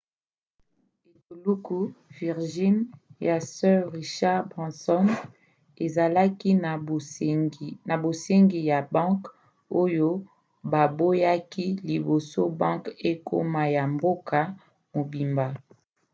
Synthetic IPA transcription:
e˨tu˨lu˦ku˦vi˨ʁʒi˦nja˨sɛ˦ʁʁi˨ʃa˦ʁbʁɛ̃˨sɔ˦n | e˨za˨la˦ki˦˨ | na˨bo˨se˦ŋɡi˨ja˨bɑ̃˦k | o˦jo˦ | ba˨bo˦ja˦ki˦li˨bo˨so˦bɑ̃˦ŋke˦kʰo̰˦ma˨ja˨mbo˦kʰa˨ | mo˨bi˨mba˨

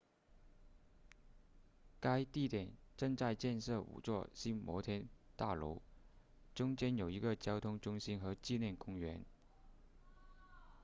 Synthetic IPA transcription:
ka˥ɪt̪i˥˩t̪jɛ˨˩˦nʈ͡ʂɤ˥˧ŋt͡sa˥˧ɪt͡ɕjɛ˥˧nʂɤ˥˩ṵ˨˩t͡swɔ˥˩ɕi˥nmwɔ˧˥t̪ʰjɛ˥nt̪a˥˩lo̰˧˥ʊ | ʈ͡ʂʊ˥ŋt͡ɕjɛ˥njo˨˩ʊi˧˥ɡə˧t͡ɕjɑ˥ʊt̪ʰʊ˥ŋʈ͡ʂʊ˥ŋɕi˥nxɤ˧˥t͡ɕi˥˧ljɛ˥˩nkʊ˥ŋɥɛ˧˥n

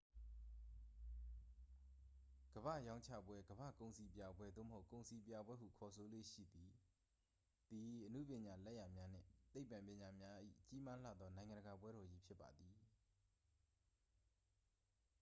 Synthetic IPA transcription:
ɡ̥əbä̰˦˨jã˦ʊ̃ɲt͡ɕʰä̰˦˨bwɛ˦ɡəba̰˦˨kõ˨ʊ̃nsi˨pja˨bwɛ˦d̪o̰˦˨mə˨ɦo˦ʊkːõ˨ʊ̃nsi˨pja˨bwɛ˦ɦṵ˨kʰɔ˨sʰo˦˨lwḛ˦˨ʃḭ˦˨d̪i˨ | d̪̥i˨ʔənṵ˦˨pjɪ̃˨ɲa˨lɛ˦ʔja˨mja˦n̥ɪ̰̃˦˨t̪e˦ɪpːã˨mpjɪ̃˨ɲa˨mja˦ʔḭ˦˨t͡ɕi˦ma˦lä̰˦˨d̪ɔ˦nã˨ɪ̃ŋã˨ndəɡa˨p̬wɛ˦ɾɔ˨d͡ʑi˦pʰjɪ˦pːa̰˨d̪ði˨

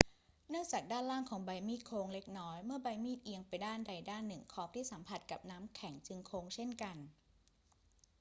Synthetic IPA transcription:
nɯ˥˩əŋt͡ɕaː˨˩k̚daː˥˩nɾlaː˥˩ŋkʰɔː˩˦ŋba˧jmiː˥˩t̪̚kʰoː˧ŋle˦˥k̚nɔː˦˥jmɯ˥˩ɐba˧jmiː˥˩t̪̚ʔi˧əŋpa˧jdaː˥˩nda˧jdaː˥˩nːɯ˨˩ŋkʰɔː˦˥p̚t̪ʰiː˥˩sa˩˦mpʰa˨˩t̪̚ka˨˩p̚naː˦˥mkʰɛ˩˦ŋt͡ɕɯ˧ŋkʰoː˧ŋt͡ɕʰe˥˩nka˧n

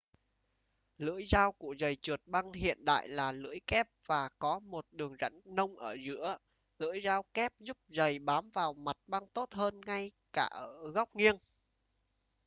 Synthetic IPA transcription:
lɨ̰˧˥əjzaː˧wku˧˩əzə˨˩jt͡ɕu˨˩ət̚ɓa˧ŋhḭ˧˨ənɗa̰ː˧˨jlaː˨˩lɨ̰˧˥əjkɛ˦˥p̚v̥aː˨˩kɔ˨˦mo˨˩t̚ɗɨ˨˩əŋzə̰˧˥jŋnə˧wŋ͡mʔəː˧˩zɨ̰˧˥ə | lɨ̰˧˥əjzaː˧wkɛ˦˥p̚zʊ˦˥p̚zə˨˩jɓaː˨˦mvaː˨˩wma˨˩t̚ɓa˧ŋt̪o˦˥t̚həː˧nŋa˧j | kaː˧˩ʔəː˧˩ɣɔ˦˥wk͡p̚ŋi˧əŋ

